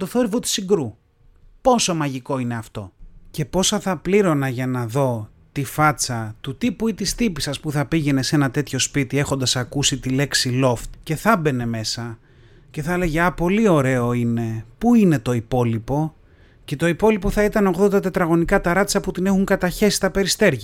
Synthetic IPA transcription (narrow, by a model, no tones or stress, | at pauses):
t̪oθo̞ɾivot̪i̥siɡɾu | po̞so̞mɐʝiko̞ine̞ɐft̪o̞ce̞po̞sɐθɐpliɾo̞nɐʝɐnɐðo̞ | t̪ifɐt͡sɐt̪ut̪ipuit̪ist̪ipisɐspuθɐpiʝe̞ne̞se̞nɐt̪e̞t̪ço̞spit̪ie̞xo̞nd̪ɐsɐkusit̪ile̞ksilo̞ft̪ce̞θɐbe̞ne̞me̞sɐ | ce̞θɐle̞ʝeɐpo̞lio̞ɾe̞o̞ine̞puine̞t̪o̞ipo̞lipo̞ | ce̞t̪o̞ipo̞lipo̞θɐit̪ɐno̞ɣðo̞nd̪ɐt̪et̪ɾɐɣo̞nikɐt̪ɐɾɐt̪t͡sɐput̪ine̞xuŋkɐt̪ɐçe̞si̥st̪ɐpe̞ɾist̪e̞ɾʝɐ